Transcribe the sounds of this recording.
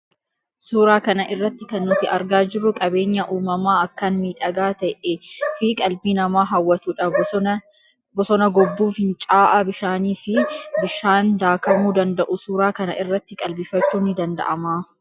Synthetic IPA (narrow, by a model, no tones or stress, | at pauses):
suːɾaːkɐnɐʔɪrːɐt̪ːɪkɐnːʊt̪ɪɐɾɡaːd͡ʒɪrːʊkʼɐbe̞ːɲːɐʔuːmɐmaːɐkːɐnmiːᶑɐɡaːt̪ɐʔɛfɪkʼɐlbiːnɐmaːɦɐwːɐt̪uːᶑɐ | bɔsɔnɐɡɔbːuːfhɪnt͡ʃʼaːʔabɪʃaːniːfɪbɪʃaːnd̪aːkɐmuːd̪ɐnd̪ɐʔʊsuːɾaːkɐnɐ̰ʔɪrːɐt̪ːɪkʼɐlbiːfɐt͡ʃːuːnːɪd̪ɐnd̪ɐ̰ʔɐmaː